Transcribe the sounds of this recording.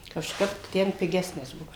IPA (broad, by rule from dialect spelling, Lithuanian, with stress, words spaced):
kɐʃˈkɐp ˈtʲɛn pʲɪˈɡʲæːsʲnʲɪs ˈbuɔ